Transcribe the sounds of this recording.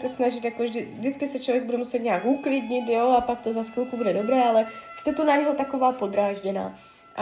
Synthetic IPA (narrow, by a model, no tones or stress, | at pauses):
sɛsnaʒɪt̪jakovʒdɪvdɪt͡skɪsɛt͡ʃlo̞vjɛɡ̚budɛmusɛt̪ɲaːkuklɪdɲɪt̪joapak̚t̪o̞zaskulkubudɛdo̞bɾɛːalɛst̪ɛt̪onaɲɛɦot̪ako̞vaːpo̞d̪ɾaːʒɟɛna̰ː | ʔa